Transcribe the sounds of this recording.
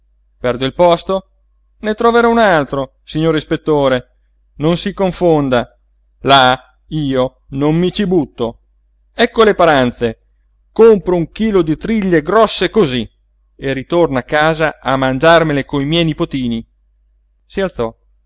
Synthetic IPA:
pɛrd̪oilpɔst̪o | net̪ɾoveɾɔunalt̪ɾo | siɲːoːɾispet̪ːoːɾe | nonsikoɱfond̪a | la | iːo | nommit͡ʃibut̪ːo | ɛkːolepaɾant̪se | kompɾouŋkiːlod̪it̪ɾiʎːeɡɾɔsːekozi | erit̪ornakːaːzaamand͡ʒarmelekoimjɛjnipot̪iːni | sialt̪sɔ

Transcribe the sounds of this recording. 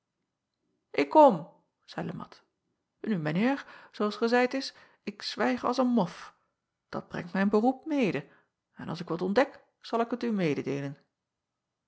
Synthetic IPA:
ʔɪkːɔm | z̥ɛjləmɑ̰t | nymənɪːɹzoɑlˠsχəzɛjtɪs | ɪksʋɛjχɑ̰lˠsənmɔf | d̥ɑ̰d̚brɛ̰ŋtmɛjənbərup̚mejdə | ɛnɑ̰lˠsɪkʋɑtɔndɛk | z̥ɑlˠɪkɦətymejdədejlən

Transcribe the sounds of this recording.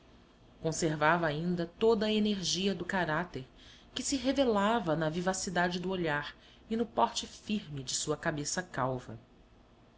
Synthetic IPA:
kõseɾvavɐaĩnd̪ɐt̪od̪ɐeneɾʒiɐd̪ʊkaɾat̪eɾ | kɪsɪɦevelavɐnɐvivasid̪ad͡ʒɪd̪ʊoʎaɾ | ɪnʊpɔɾt͡ʃɪfiɾmɪd͡ʒɪsuɐkabesɐkawvɐ̰

